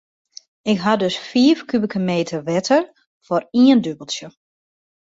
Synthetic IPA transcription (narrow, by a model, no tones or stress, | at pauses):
ɪkɦadøsfiːəfkybəkʰəmeːtʰərʋɛtʰər | fɔriəndøbəlˠsjə